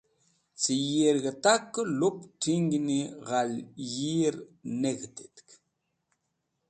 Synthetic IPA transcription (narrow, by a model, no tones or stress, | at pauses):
t͡sijiɾɣət̪akːluptiŋɡniɣaljiɾneɣt̪e̥t̪k